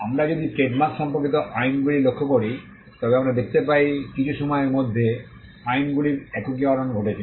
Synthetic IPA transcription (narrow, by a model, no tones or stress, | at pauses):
amɾad͡ʑod̪iseʈmasʃɔmpoɾkit̪oʔajnɡulilokʰːokoɾi | t̪ɔbeamɾad̪ek̚ʰt̪ep̬ajkit͡ɕʰuʃɔmɔeeɾmod̪ʱːe | ajnɡuliɾɛkokiaɾonɡʱoʈet͡ɕʰi